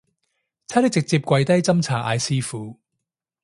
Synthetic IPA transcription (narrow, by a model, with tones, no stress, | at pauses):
t͡sʰa˥t̪ɪ˥k̚t͡sɪ˨k̚t͡siː˧p̚kʷɐ˧jt̪ɐ˥jt͡sɐ˥mt͡sʰaː˨˩ʔa̰ː˧jsiː˥fuː˨˦